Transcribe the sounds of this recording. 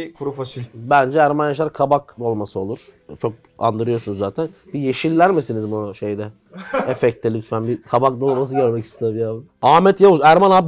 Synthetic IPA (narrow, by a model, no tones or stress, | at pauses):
kʰuɾufat͡ʃʰɯbænd͡ʒɛæɾmanjaʃˠaɾkʰabakd̪o̞lˠmasɯo̞lˠuɾ̥ | t͡ʃʰo̞k̚ | a̰nd̪ɯɾɯjo̞sunuzːaːt̪ʰænbijeʃilʲːæɾmisinizbuʃe̞jd̪ɛ | efɛc̚t̪ʰːɛlʲyt̪fænbikʰabak̚d̪o̞lˠmas̬ɯɟaɾmɛci̥st̪ʰamjaːb | aːmɛt̪javusæɾmanab